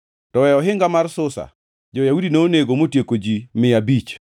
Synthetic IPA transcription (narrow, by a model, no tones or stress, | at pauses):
tɔwɛɔɦɪŋɡamarsʊsa̰ | d͡ʒɔjaudineoneɡomotjekod͡ʒimɪabit͡ʃ